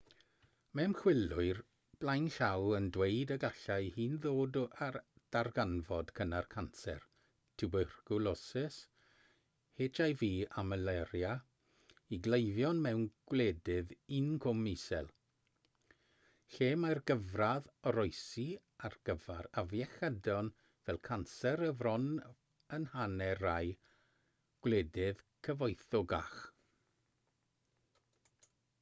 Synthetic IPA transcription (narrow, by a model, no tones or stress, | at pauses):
mɛmχwɪlʊɨr | b̥lajnɬawəndwejdəɡaɬajhiːnðoːdad̥arɡanvɔd̥kʰənarkʰansɛ̰r | tʰɪbər̥ɡ̥ʊlɔsɛs | heːtʰajviːaməlɛɾja | iɡlejðjɔnmɛwnɡ̥wlɛːdɪðɪnkʰɔmɪsɛ̰lˠ | ɬeːmarɡəvraðɾɔjsi | arɡ̥əvaɾavjɛxədɔn | vɛlˠkʰansɛɾəvrɔn | ənhanɛraj | ɡ̥wlɛːdɪð̥kʰəvɔjθɔɡa̰x